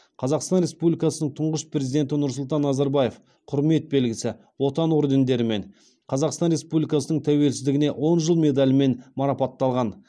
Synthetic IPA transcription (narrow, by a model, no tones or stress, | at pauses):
qʰɑzɑqst̪ɑnɾespublʲijkɑsənəɴt̪ʰʊɴʁəspɾʲezid̪e̞nt̪̬ɪnʊɾsʊlˠt̪ɑnːɑzɑɾbɑje̞f | qʰʊɾme̞t̪̚be̞lɡʲɪsɪ | wo̞t̪ɑnwoɾd̪e̞nd̪e̞ɾɪme̞ɴ | qʰɑzɑqst̪ɑnɾe̞spublʲijkɑsənəɴt̪ʰæwe̞lsɪzd̪ɪɡʲɪne̞wʔo̞nʒəlˠme̞d̪alʲɪme̞nmɑɾɑpɑt̪ːɑlˠʁɑn